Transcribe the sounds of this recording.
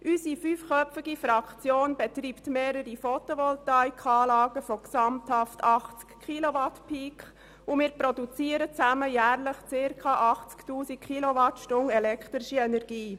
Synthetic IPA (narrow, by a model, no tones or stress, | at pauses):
ʔysifyfχœɪɡifɾɑkt͡sjoːnb̥ɛtɾiːptmeːɾəɾifɔt̪oʋɔltɑɪkχɑːlɑːɡ̥əfɔksɑmthɑftʰɑχt͡skχiloʋɑtpʰiːkχ | umɪːɾprɔdut͡siːəɾət͡sæməjæːɾləχt͡sɪɾkʰɑːʔɑχt͡sktuːsikχiloʋɑtʃtʊŋɛlɛkχt̪ɾiʃiɛnɛrɡiː